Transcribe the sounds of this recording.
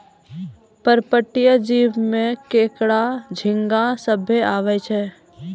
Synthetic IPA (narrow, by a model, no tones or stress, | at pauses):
pəɾpəʈːijəd͡ʒiːʋmẽkeːkɽad͡ʒʱɪ̃ŋɡasəbʱeaːʋɛt͡ʃʰɛː